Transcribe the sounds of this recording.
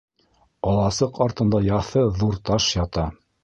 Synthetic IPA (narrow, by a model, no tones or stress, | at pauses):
ɒlˠɑsɤqɑɾt̪ɤ̆nd̪ɑjɑθɤðuɾt̪ɑʃjɑt̪ɑ